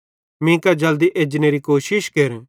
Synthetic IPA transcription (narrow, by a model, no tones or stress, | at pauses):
mĩkad͡ʒɐld̪iʔeːd͡ʒneɾikoːʃɪʃkeːɾẽ